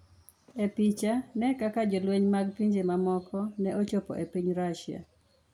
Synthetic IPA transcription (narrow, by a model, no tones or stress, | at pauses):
epit͡ʃanɛkakad͡ʒolweɲmaɡpiɲd͡ʒemamɔkɔnɛʔot͡ʃopɔ̰ʔepiɲɾaʃia̰